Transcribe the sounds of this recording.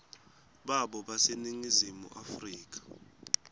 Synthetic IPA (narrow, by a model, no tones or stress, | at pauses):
ɓaɓɔɓaseniŋizimṵʔafriːk̬ʼḁ